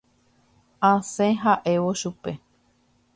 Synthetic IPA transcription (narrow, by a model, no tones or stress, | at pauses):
ãsẽɦaʔe̞ʋoʃupe̞